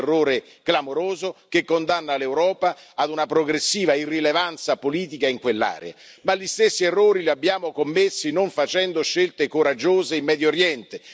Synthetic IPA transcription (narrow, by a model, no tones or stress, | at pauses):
rːoːɾe | ɡ̥lamoɾoːzok̟ekːond̪anːalewɾɔːpaːd̪unapɾoɡɾesːiːvairːilevant̪sapoliːt̪ikaiŋkwelːa̰ːɾḛa̰ | malist̪esːierːoːɾiliabːjaːmokomːesːinoɱfat͡ʃɛnd̪oʃːelt̪ekoɾad͡ʒːoːzeimːɛːd̪jooɾjɛnt̪e